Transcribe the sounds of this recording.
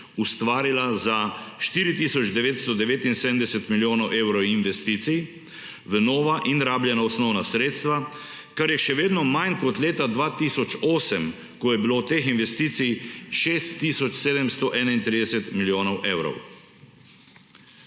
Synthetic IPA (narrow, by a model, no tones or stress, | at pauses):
ust̪ʋaːɾilazaʃt̪iːɾit̪iːsɔd͡ʒd̪ɛʋeːt̪st̪ɔd̪ɛʋeːt̪insed̪əmd̪ɛsɛt̪miljoːnɔwʔeːwɾɔwinʋɛst̪iːt̪sij | ʋənoːʋaʔinɾaːbljɛnaɔsnɔwnasɾeːt̪st̪ʋa | kaɾjɛʃɛʋeːd̪nɔmankɔt̪leːt̪ad̪ʋaːt̪isɔt͡ʃoːsɛm | kɔjɛbilot̪eːxinʋɛst̪iːt̪sijʃeːst̪ːisɔt͡ʃseːd̪ɛmst̪ɔʔɛːnaint̪ɾiːd̪ɛsɛt̪miljoːnɔwʔeːwɾɔ̰w